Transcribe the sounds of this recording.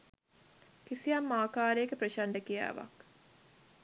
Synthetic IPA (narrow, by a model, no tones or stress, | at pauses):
kisijamːaːkaːɾeekəpɾəʃaɳɖəkija̰ːʋa̰k